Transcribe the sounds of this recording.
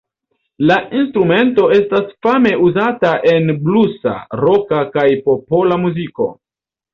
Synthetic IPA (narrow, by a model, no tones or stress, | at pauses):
laʔinstɾume̞nto̞e̞stasfame̞ʔuzataʔe̞nblusa̰ɾokakajpo̞po̞lamuziko̞̰